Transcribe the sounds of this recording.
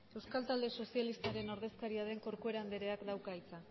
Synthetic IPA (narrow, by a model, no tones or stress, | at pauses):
e̞wskalt̪ald̪e̞so̞sialist̪aɾe̞no̞ɾð̞e̞skaɾiaðe̞ŋko̞ɾkue̞ɾand̪e̞ɾe̞akd̪awkajt͡sa